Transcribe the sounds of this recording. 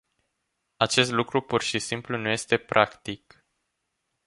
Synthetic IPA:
at͡ʃe̞st̪lukɾupurʃisimplunuje̞st̪e̞pɾʔakt̪ik

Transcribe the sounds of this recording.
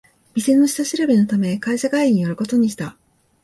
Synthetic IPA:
mʲise̞nːo̞ɕi̥saɕiɾɯbino̞t̪ame̞kaiɕaɡaiɲ̟ijo̞ɾɯ̟ko̞t̪o̞ɲ̟iɕi̥t̪a

